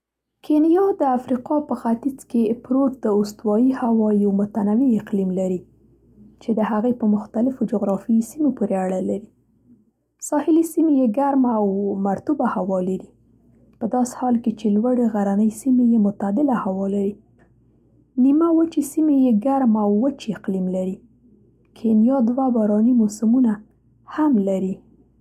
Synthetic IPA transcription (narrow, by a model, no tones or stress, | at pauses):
kʰenjɑd̪əafɾiqɑpəxat̪id͡zkepɾoʈd̪̥əost̪wɑjihawɑjawmʊt̪anawiɪqlimlaɾi | t͡ʃed̪əhaɣejpəmʊxt̪alɪfod͡ʒʊɣɾɑfisimopoɾeaɽalaɾi | sɑhɪlisimejeɡaɾmawmaɾt̪ubahawɑlaɾi | pəd̪ɑse̥hɑlket͡ʃelwaɽeɣaɾanəjsimejemʊt̪ad̪ɪlahawɑlaɾi | nimawət͡ʃisimejeɡaɾmawːət͡ʃiqlimlaɾi | kʰenjɑd̪wabaɾɑnimosʊmuna | hamlaɾi